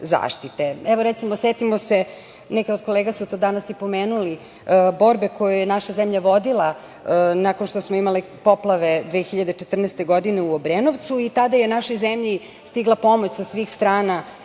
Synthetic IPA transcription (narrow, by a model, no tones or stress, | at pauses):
za̰ːʃt̪it̪e̞ɛʋo̞ɾɛt̪simoset̪imose̞ | nɛkeod̪̚ko̞leɡasut̪od̪anasipo̞meːnuli | bo̞ɾbe̞ko̞jujenaʃazemʎaʋo̞d̪ilˠa | nakonʃt̪osmoimali | po̞plˠaʋe̞d̪ʋexiʎad̪et͡ʃet̪r̩nest̪e̞ɡo̞d̪ine̞uobɾenoʋt̪suit̪ad̪ajenaʃo̞jzemʎi | st̪iɡlˠapo̞mot͡ɕsasʋiːxst̪ɾaːna